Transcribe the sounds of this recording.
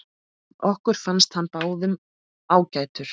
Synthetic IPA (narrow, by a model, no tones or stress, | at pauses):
ɔhkʏɾ̥fanst̪hanːpaːwðʏm | aːwcajt̪ʏɾ̥